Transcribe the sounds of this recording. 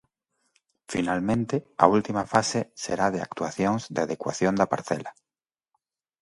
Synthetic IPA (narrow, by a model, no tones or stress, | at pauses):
fḭnalmẽnt̪ea̰ult̪imafasesḛɾaðea̰kt̪uaθjõŋzðeaðekwa̰θjond̪apa̰ɾθɛ̰la